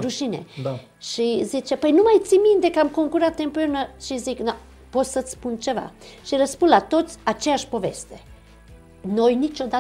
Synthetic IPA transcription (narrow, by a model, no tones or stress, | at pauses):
ɾuʃinḛ | ʃizit͡ʃepəjnumajt̪simint̪ekəamkoŋkuɾat̪ːempounəʃizikna | possət̪spunt͡ʃeva̰ʃiɾəspunlat̪ot̪sʲat͡ʃejaʃpovest̪e | nojnit͡ʃod̪a